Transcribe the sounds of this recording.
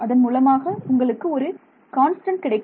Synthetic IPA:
ɐðɐnmuːlɐmaːɣɐʊŋɡɐɭɯkːɯɔɾɯ | kaːnsʈɐɳʈkɪɽɐɪkː

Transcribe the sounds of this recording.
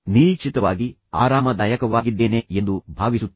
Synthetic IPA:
niːt͡ʃit̪ɐʋaːɡi | a̰ːɾaːmɐd̪ɐjɐkɐʋaːɡid̪ːeːne̞end̪ubʱaːʋisut̪ː

